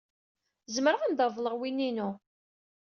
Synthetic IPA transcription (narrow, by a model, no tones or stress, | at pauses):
zəmɾəʁand̪ɑvˤlˠəʁwinːinu